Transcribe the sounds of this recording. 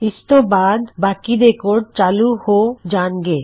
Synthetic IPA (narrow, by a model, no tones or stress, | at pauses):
ist̪obad̪bakid̪ekoɾɖ̚t͡ɕaluhod͡ʑanɡe